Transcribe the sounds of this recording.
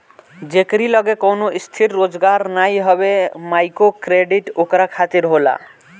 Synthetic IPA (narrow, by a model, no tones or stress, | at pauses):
d͡ʑekɾilɔɡekownoʔist̪ʰiɾːod͡ʒɡaɾnajɦɔbemajkokɾeɖiʈokɾakʰat̪iɾɦola̰